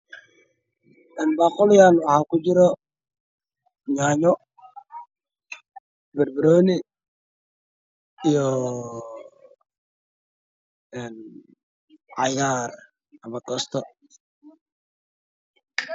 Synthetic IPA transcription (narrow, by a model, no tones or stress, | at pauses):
ɛnbaːqɔljanwahaːkud͡ʒɪɾɔ | ɲaːɲɔ | bɛɾbɪɾoni | jɔ | ɛn | ajɡaɾ | ɐmakɔst̪ɔ